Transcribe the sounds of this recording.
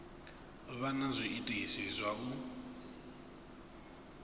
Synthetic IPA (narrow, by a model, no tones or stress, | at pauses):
βanazʷiʔitʼiɦisizʷaβu